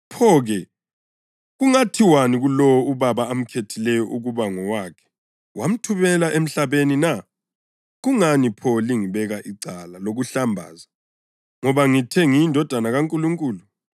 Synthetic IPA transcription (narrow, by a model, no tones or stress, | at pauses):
pʰɔɣɛ | ɣuŋatʰiwaniɣulɔwɔuβaβaːm̩kʰetʰilɛjɔʔuɣuβaŋɔwaːkʰɛ̥ | wam̩tʰuβɛlaʔem̩ɬaβenina | ɣuŋanipʰɔliŋiβɛɣaʔiǀalaloɣuɬambʱa̰ːza | ŋɔβaŋitʰeŋiːndʱɔd̥ʱanaɣaŋkʼuluŋkʼuːlu